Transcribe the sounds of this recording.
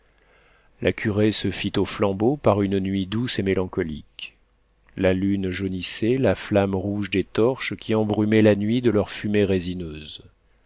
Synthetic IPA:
lʔakʲʰyʁesəfit̪oflɑ̃bopaʁynnɥid̪usemelɑ̃kɔlḭk | lalynʒoniselaflamʁuʒd̪et̪ɔʁʃkʲʰiɑ̃bʁymɛlanɥid̪əlœʁfymeʁezinøːz

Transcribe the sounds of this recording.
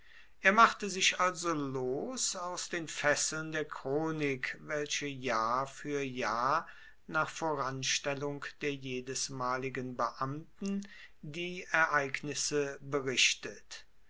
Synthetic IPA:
ʔeːɐmaχtəzɪʃʔalzoloːsaʊsd̥eːnfɛsl̩ndeːɐkʁ̥oːnɪkvɛlʃəjaːfyːɐjaː | naːχfoːʁanʃtɛlʊŋkd̥eːɐjeːdəsmaːlɪɡənbəʔamtn̩ | diːɛɐʔaɪknɪsəbəʁɪʃtət

